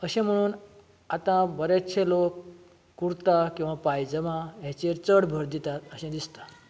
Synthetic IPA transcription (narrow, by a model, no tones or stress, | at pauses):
əɕẽm̤əɽ̃uːn | at̪ãbəɾet̪t͡ɕʰelokː | uɽt̪akĩw̃ʋapajd͡zəmaɦjat͡ɕeɾt͡səɽbʱəɾd̪it̪at̪əɕẽd̪ist̪ḁ